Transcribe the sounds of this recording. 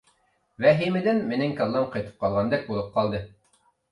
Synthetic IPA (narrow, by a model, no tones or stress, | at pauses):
væɦimɘ̆d̪ɘnmĭnɘŋkɑlˠːɑmqɑjt̪ɤ̥p̚qɑlˠʁɑnd̪æk̚bulˠɤp̚qɑlˠd̪ɤ